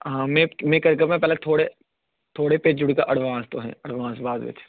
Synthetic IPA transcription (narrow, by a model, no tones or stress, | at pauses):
ɦãːmẽmẽkɐɾkəmɛ̃pɛːlet̪ʰoːɽe | t̪ʰoːɽepeːd͡ʒʊɽika̰ʔɐɽʋãːst̪o̰ɦɛ̰̃ɐɽʋãːnsbaːd̪ʋɪ̰ːt͡ʃʰː